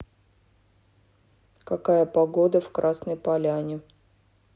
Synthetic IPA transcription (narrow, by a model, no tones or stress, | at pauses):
kɐkajəpɐɡod̪əfkɾʔasnəjpɐlʲanʲɪ